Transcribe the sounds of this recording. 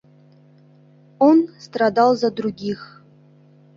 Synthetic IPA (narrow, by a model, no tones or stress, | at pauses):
onst̪rad̪ɑlˠzad̪ɾuɡʲix